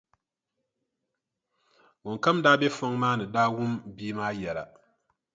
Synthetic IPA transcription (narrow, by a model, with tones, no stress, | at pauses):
wɔ˨ŋka˦mdaː˦be˦fɔ˦ŋmaː˦nɨ˨daː˦wʊ˦mbiː˦maː˦jɛ˨la̰˨